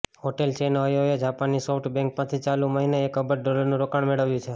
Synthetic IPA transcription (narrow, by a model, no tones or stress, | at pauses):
ɦoʈelt͡ʃenoɦəjoɦjod͡ʒapanːisofʈbɛ̃ŋk̚pə̃t̪ʰit͡ʃalũməɦineekəbəɾɖoləɾnũɾokaɳmeɭəʋjũt͡ʃʰe